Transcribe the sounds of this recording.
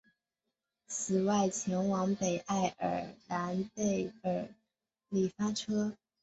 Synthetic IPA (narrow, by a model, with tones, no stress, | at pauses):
t͡sʰɹ̩˨˩wa˥˩ɪt͡ɕʰjɛ˧˥nwɑ˧˥ŋpe˨˩ɪʔa˥˩ɪʔə̰˞˨˩na˧˥nte˥˩ɪə˞˨˩ | li˨˩fa˥ʈ͡ʂʰɤ˥